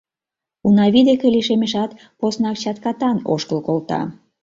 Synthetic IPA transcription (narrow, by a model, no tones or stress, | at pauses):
unɑβid̪ekeliʃemeʃɑt̪ | posnɑk̚t͡ɕɑt̪kɑt̪ɑno̰ʃkəlkolt̪ɑ̰